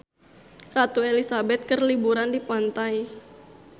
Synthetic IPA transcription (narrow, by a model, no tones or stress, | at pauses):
rat̪uelisabɛt̪̚kərlibuɾandipant̪aj